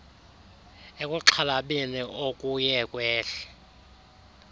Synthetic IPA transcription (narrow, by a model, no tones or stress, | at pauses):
ekʼuǁʰalaɓiniʔokʼujɛkʼwɛːɬɛ̥